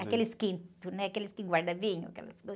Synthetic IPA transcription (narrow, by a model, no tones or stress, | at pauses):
akelɪskĩnt̪ʊnɛakelɪskɪɡwaɾd̪ɐvĩɲʊa̰kɛ̰lɐ̰sdo